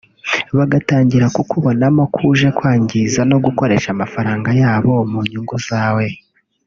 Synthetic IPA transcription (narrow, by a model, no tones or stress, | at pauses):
βaɡataːɲɟiɾakukuβo̞namokʰuʒe̞kwaːɲɟizano̞ɡuko̞ɾe̞ʃamafaɾaːŋɡajaːβo̞muɲuŋɡuzaːwe̞